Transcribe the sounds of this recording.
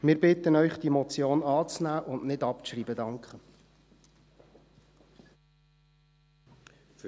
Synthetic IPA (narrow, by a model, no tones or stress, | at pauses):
mɪɾbɪtənœʏχd̥imɔt͡sjoːnɑːt͡snæːʔʊnʔnɪdɑpʃriːbədɑŋkχə